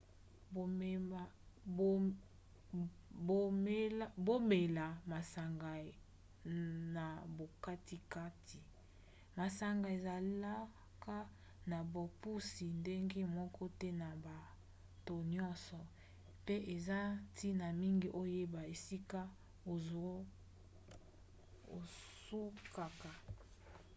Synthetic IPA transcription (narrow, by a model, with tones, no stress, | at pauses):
bo˨me˨ | o˨ | o˨˦ | bo˦me˨la˨ma˨sa˨ŋɡa˨ | na˨bo˨ka˦ti˦ka˦tʰi˨ | ma˨sa˨ŋɡa˨e˨za˨li˦la˦ | ka˦ | na˨bo˨pu˦si˨nde˦ŋɡe˦mɔ˦kɔ˦tɛ˦na˨ba˨ | to˨ɲɔ˦nsɔ˨ | pe˦ʔe˨za˦tʰi˦na˨mi˦ŋɡi˦ʔo˦je˦ba˨e˨si˦ka˦ | o˨˦ | o˨ | su˦ka˨ka˨